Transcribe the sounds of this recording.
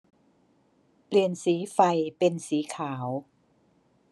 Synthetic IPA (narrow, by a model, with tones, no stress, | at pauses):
pli˨˩ənsiː˩˦fa˧jpe˧nsiː˩˦kʰaː˩˦w